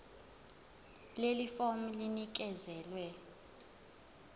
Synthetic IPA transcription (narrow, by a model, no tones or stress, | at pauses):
lelifom̩linik̬ɛzɛːlwɛ